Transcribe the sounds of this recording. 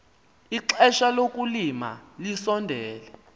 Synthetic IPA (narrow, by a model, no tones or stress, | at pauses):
iǁɛʃalok̬ʼulima̰lisɔndʱɛːlɛ